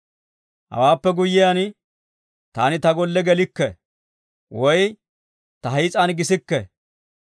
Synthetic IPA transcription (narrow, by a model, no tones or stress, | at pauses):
hɐ̰waːpːɛɡʊjɪjan | t̪a̰ːnɪt̪ɐɡɔlːɛɡɛlɪkːɛ | wɔj | t̪ɐɦɐjt͡sʼɐnɡɪsɪkːɛ